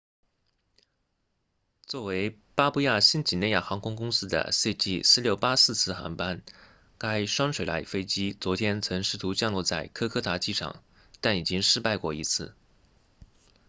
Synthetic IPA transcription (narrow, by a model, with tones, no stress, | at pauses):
t͡swɔ˥˩we˧˥ɪ | pa˥pu˥˧ja˥˩ɕi˥˩nt͡ɕi˨˩ne˥˧ja˥˩xɑ˧˥ŋkʰʊ˥ŋkʊ˥ŋsɹ̩˥d̪ə̰˨se˥˧ɪt͡ɕi˥˩sɹ̩˥˧ljo˥˩ʊpa˥sɹ̩˥˧t͡sʰɹ̩˥˩xa̰˧˥npa˥n | ka˥ɪʂwɑ˥ŋʂʰwe˨˩ɪla̰˧˥ɪfe˥ɪt͡ɕi˥t͡swɔ˧˥t̪ʰjɛ˥nt͡sʰɤ˧˥ŋʂɻ̩˥˩t̪ʰu˧˥t͡ɕjɑ˥˧ŋlɔ˥˧t͡sa˥˩ɪkʰɤ˥kʰɤ˥t̪ʰa˧˥t͡ɕi˥ʈ͡ʂʰɑ̰˨˩ŋ | t̪a˥˩ni˨˩t͡ɕi˥ŋʂɻ̩˥˧pa˥˧ɪkwɔ˥˩i˧˥t͡sʰɹ̩˥˩